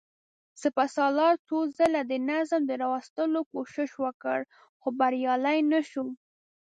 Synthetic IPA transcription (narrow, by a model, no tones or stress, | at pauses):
səpasɑlɑɾt͡sozəlad̪ənazmd̪əɾɑwast̪əlokoʃɪʃwəkə̰ɽ | xobaɾjɑlajnaʃu